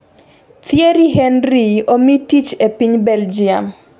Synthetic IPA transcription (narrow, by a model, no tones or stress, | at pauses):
t̪jeɾiɦenɾiomitit͡ʃepiɲbɛld͡ʒiam